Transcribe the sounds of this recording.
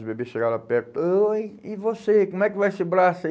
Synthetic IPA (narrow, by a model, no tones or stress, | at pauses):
sbebeʃeɡaɾapɛɾt̪ʊoivosekomʊɛkɪvajsibɾasɐ